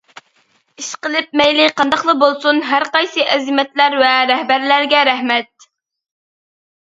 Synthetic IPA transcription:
iʃqəlˠɪp̚mɛjlɪqʰɑnd̪ɑχlˠəbolˠsunɦæɾqɑjsɨʔɛzɪmɛt̪læɾvɛɾɛhbæɾlæɾɡʲɛɾæhmɛt̪̚

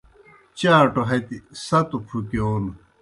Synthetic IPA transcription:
t͡ɕãːʈoɦɐt̪isɐt̪upʰukeoːn

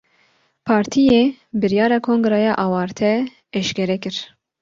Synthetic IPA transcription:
pʰɑːɾt̪ʰijeːbɨɾjɑːɾɑːkʰoːŋɡɾɛjɑːʔɑːwɑːɾt̪ʰɛ | ɛʃkɛɾɛkɨɾ

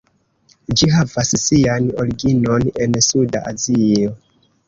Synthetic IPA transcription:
d͡ʒiɦavassianoɾiɡino̞ne̞nsuda̰ʔazio

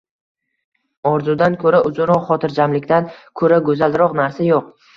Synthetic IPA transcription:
ɒɾzud̪ankʰɵɾaʔʊzʊɾɒqχɒt̪ʰɪɾd͡ʒamlɪkʲt̪ankʰɵɾaɡɵzaldɾɒqnaɾsajoq̚

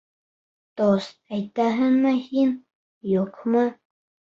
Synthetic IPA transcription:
t̪osajt̪aɦanmahin | jokʰma

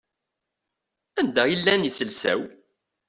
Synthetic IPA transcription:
ænd̪æilːænjisəlsæ̰w

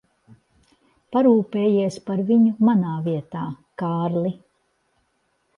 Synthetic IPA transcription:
paɾuːpeːjiɛspaɾviɲumanaːviɛt̪aː | kaːɾlˠi

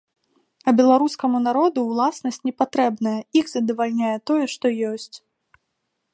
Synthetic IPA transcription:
ɐbʲɛlˠaɾuskɐmunaɾɔd̪uwlˠasnɐsʲt͡sʲnʲɛpat̪ɾɛbnɐjɐixzɐd̪ɐvalʲnʲajɛt̪ɔjɛʂt̪ɔjɔsʲt͡sʲ

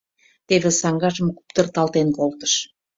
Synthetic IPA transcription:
t̪eβesɑŋɡɑʒəmku̥pt̪ərt̪ɑlt̪enkolt̪ə̥ʃ

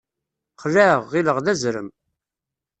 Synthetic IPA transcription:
qlæʁːiləʁðæzɾə̰m

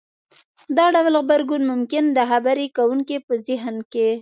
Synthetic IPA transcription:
d̪ɑɖawlɣbaɾɡunmʊmkɪnd̪əxabaɾekawuŋkepəzɪɦnke

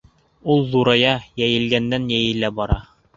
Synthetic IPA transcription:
ulˠðuɾɑjɑjæjɘ̆lɡænd̪ænjæjɘ̆læbɒɾɑ

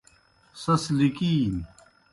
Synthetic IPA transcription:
sɐslikiːn

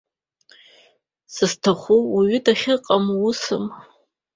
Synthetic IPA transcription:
sɨztʰaχʷuwiɥʏdaχʲɪqʼamusɨm

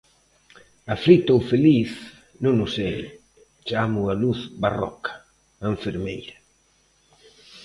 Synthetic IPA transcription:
afɾit̪ofeliθ | nũnʊsej | t͡ʃamʊaluθbarɔ̰kʰḁ | aɱfeɾmḛjɾa

